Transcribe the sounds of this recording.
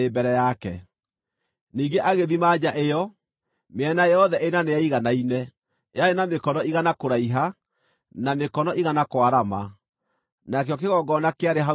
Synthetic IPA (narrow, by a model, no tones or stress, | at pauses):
ebɛɾɛjakɛ | niːɡeʔaɣeðimaːd͡ʑaʔejɔ | meɛnajɔðɛʔenaneaiɣanainɛ | jaenamekɔnɔiɣanakoɾaiɦa | namekɔnɔʔiɣanakwaɾama | nak̬ejɔk̬eɣɔɡɔnakeaɾeɦa